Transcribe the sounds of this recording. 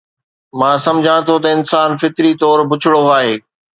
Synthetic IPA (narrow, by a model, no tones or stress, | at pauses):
mãːsɐ̃md͡ʑʱãt̪ʰot̪ɐɪnsaːnfɪt̪ɾit̪ɔːɾbʊt͡ɕʰɪɽoaːɦeː